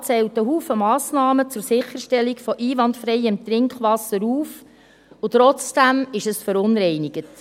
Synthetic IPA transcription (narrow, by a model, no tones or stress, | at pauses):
t͡sɛltəɦuːfəmɑːsnɑːmət͡sʊɾsɪχəɾʃtɛlikfɔʔiːʋɑntfɾɛɪɪmt̪ɾɪŋkχʋɑsːəɾuːf | ʊt̪ɾɔt͡sd̥æmɪʃəsfəɾʊnɾɛɪnɪɡət